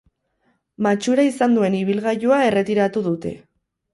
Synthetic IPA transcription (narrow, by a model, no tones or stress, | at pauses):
mat͡ʃuɾaisand̪ue̞niβ̞ilɣajoae̞re̞t̪iɾat̪uðut̪e̞̰